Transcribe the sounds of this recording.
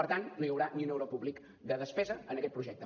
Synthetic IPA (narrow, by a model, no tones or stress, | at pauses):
əɾt̪annojəwɾaniunɛwɾəpuβlik | d̪əðəspɛzəənəkɛt̪̚pɾuʒɛk̚t̪ə